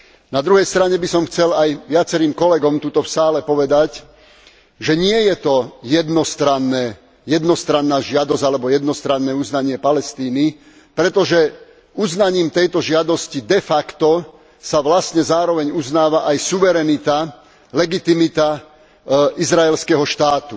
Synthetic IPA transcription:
nad̪ɾuɦɛjst̪ɾaɲɛbisɔmxt͡sɛlajʋɪat͡sɛɾiːmkɔlɛɡɔmt̪uːt̪ɔfsaːlɛpɔʋɛd̪ac | ʒɛɲɪɛjɛt̪ɔjɛd̪nɔst̪ɾanːɛː | jɛd̪nɔst̪ɾanːaːʒɪad̪ɔzalɛbɔjɛd̪nɔst̪ɾanːɛːuznaɲɪɛpalɛst̪iːni | pɾɛt̪ɔʒɛ | uznaɲiːmt̪ɛjt̪ɔʒɪad̪ɔscid̪ɛfakt̪ɔ | saʋlasɲɛzaːɾɔʋɛɲuznaːʋaʔajsuʋɛɾɛnit̪a | lɛɡit̪imit̪a | ʔizɾaɛlskɛɦɔʃt̪aːt̪u

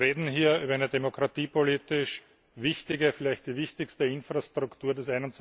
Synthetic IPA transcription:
ʁeːdn̩ɦiːɐyːbɐæɪnədemokʁat̪iːpoliːtɪʃ | vɪçtɪɡəfɪlæɪçt̚d̥iːvɪçtɪçstəɪnfʁastʁʊktuːɐdɛsæɪnʊnt͡s

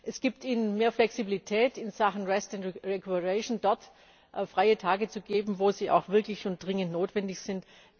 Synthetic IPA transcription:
ʔɛsɡ̥iːp̚tiːnənmeːɐflɛksibilitʰɛːtɪnzaχn̩ʁɛstʊntʁɛkʰuəʁɛʃndɔɐt | ʔfʁ̥aɪətʰaːɡət͡suɡeːbm̩voːziːʔa̰ʊxv̥ɪɐklɪçʃʊnd̥ʁɪŋəntnoːtv̥ɛndɪçz̥ɪnt

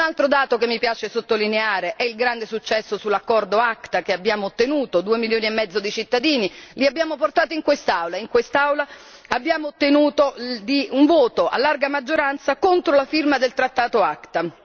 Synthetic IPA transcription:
unalt̪ɾod̪aːt̪okemːipjaːt͡ʃesot̪ːolineaːɾeʔɛilɡɾand̪esut͡ʃːɛsːosulːakːɔrd̪oakt̪akeabːjaːmoːt̪ːenuːt̪od̪uːemiljoːniemːɛd̪zːod̪it͡ʃit̪ːad̪iːniliabːjaːmoport̪aːt̪oiŋkwest̪awlaiŋkwest̪awla | abːjaːmoːt̪ːenuːt̪od̪iuɱvoːt̪oa̰lːarɡamad͡ʒːoɾant̪sakont̪ɾolafirmad̪elt̪ɾat̪ːaːt̪oakt̪a

